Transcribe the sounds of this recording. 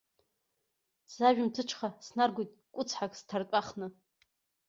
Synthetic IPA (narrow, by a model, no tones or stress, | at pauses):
z̥aʒᶣmtʰɨʈ͡ʂʰχasnarɡʷijtʼkʷʼʊt͡sʰħakʼstʰartʷʼaχnɨ